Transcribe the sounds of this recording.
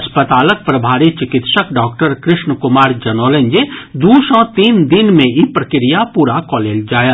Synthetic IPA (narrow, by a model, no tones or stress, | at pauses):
ɐspət̪aːlək̚pɾɐbʱaːɾit͡ʃɪkɪt̪ʃəkɖɔːkʈəɾkɾɪʃnkʊmaːɾd͡ʒɐnoːlẽɲd͡ʒed̪uːʃɔ̃t̪iːnd̪ɪnmẽipɾɐkɾijapuːɾakɔːleːld͡ʒaːja